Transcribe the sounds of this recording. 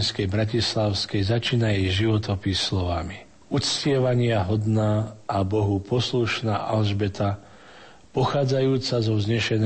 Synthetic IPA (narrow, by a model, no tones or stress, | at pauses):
nskɛjbɾacislaʊskɛjzat͡ʃiːnajɛjʒiʋɔt̪ɔpislɔʋami | ut͡scɪɛʋaɲɪaɦɔd̪naːʔabɔɦupɔsluʃnaːʔalʒbɛt̪a | pɔxaːd͡zajuːt͡sazɔzɲɛʃɛn